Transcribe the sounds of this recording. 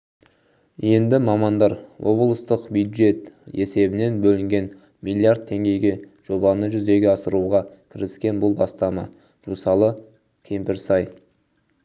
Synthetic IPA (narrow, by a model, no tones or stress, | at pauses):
je̞nd̪ɪmɑmɑnd̪ɑɾwʔo̞̰blˠəst̪əqbjud̪ʒe̞t̪e̞se̞bɪne̞nbɵlɪŋɡʲe̞n | milʲːiard̪̚t̪ʰːe̞ŋɡʲe̞jɡʲe̞ | ʒ̥o̞bɑnəʒʏzd̪e̞ɡʲeɑsəɾuʁɑkʲʰɪɾɪskʲe̞nbʊlˠbɑst̪ɑmɑ | ʒ̥usɑlˠə | kʲʰe̞mpɪɾsɑj